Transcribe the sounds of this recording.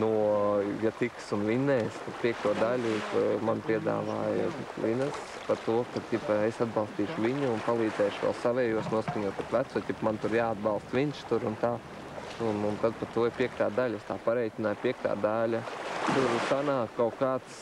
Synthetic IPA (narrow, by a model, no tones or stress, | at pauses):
nujat̪iksunʋʲinɛːskapʲiɛk̚t̪uɔd̪alʲumanpʲiɛd̪a̰ːʋaːj̰tʋinas | paɾt̪uɔkad̪t̪ʲipesad̪bɑlˠst̪iːʃʊʋʲiɲuːnpalˠiːd̪zɛːʃʊʋʲɛ̰lˠsaʋɛːjuɔsnuɔskɐɲuːt̪at̪ʋæt̪sut̪ʲɛpmant̪uɾjaːd̪̚bɑlˠst̪ʋʲinʃt̪uɾʊnt̪aː | nunt̪ad̪̚pat̪uɔɪɾpʲiɛk̚t̪aːd̪alʲest̪aːpaɾɛjt̪ʲɪnaːjpʲiɛk̚t̪a̰ːd̪alʲat̪uɾsanaːkːaʊkaːt̪s